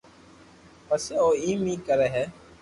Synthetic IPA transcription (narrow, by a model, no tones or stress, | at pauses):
pəsoːiːmĩːkəɾɛɦɛː